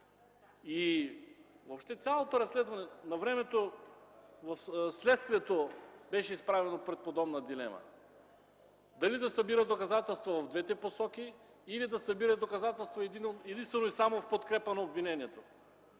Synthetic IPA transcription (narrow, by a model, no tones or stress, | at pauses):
i | vopʃt̪ɛt̪sʲjalˠot̪oɾɐsːlɛd̪vɐnɛnɐvɾɛmɛt̪o | vɐfslɛt̪st̪viɛt̪obɛʃɛispɾavɛnopɾɛt̪̚pod̪ɔbnɐd̪ilɛ̰mɐ̰ | d̪ɐlid̪ɐsɐbiɾəd̪okɐzat̪ɛlˠst̪vovɐvd̪vɛt̪ɛposɔkiː | lid̪ɐsɐbiɾɐd̪okɐzat̪ɛlˠst̪voɛd̪inɛd̪inst̪vɛnoisamofpot̪kɾɛpənɐobvinɛniɛt̪o